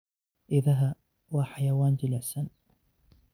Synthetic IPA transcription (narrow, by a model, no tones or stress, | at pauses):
ʔɪðaɦa | waħajawaːnd͡ʒɪlasan